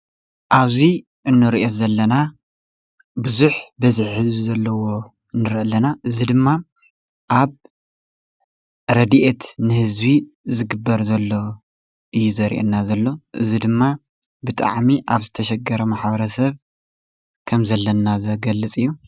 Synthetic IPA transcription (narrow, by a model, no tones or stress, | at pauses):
ʔaβzi | ʔɨnːɨɾiʔo̞zɐlːɐna | bɨzuħbɐziħhɨzbizɐlːɐwo̞ | ɨnːɨɾʔɐlːɐnaʔɨzid̪ɨmːa | ʔaβ | ɾɐd̪iʔet̪nɨhɨzβi | zɨɡɨbːɐɾzɐlːo̞ | ʔɨjːuzɐɾḭʔḛnːazɐlːo̞ʔɨzid̪ɨmːa | bɨt̪ʼa̰ʕmiʔaβzɨt̪ʰɐʃɐɡɐɾɐmaħbɐɾɐsɐβ | kʰɐmzɐlːɐnazɐɡɐlːɨt͡sʼɨjːu